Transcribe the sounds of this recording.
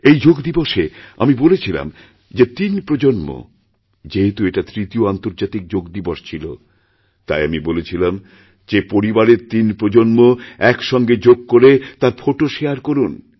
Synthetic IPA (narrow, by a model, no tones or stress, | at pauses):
ejd͡ʑoɡd̪iboʃea̰mibolet͡ɕʰila̰m | d͡ʑet̪inpɾod͡ʑonmo̰ | d͡ʑeɦet̪ueʈat̪ɾit̪ioant̪oɾd͡ʑat̪ik̚d͡ʑoɡd̪iboʃt͡ɕʰilo̰ | t̪a̰jamibolet͡ɕʰilam | d͡ʑepoɾibaɾeɾt̪inpɾod͡ʑonmoɛkʃɔŋɡed͡ʑoɡ̚koɾet̪aɾfʰoʈoʃeaɾkoɾun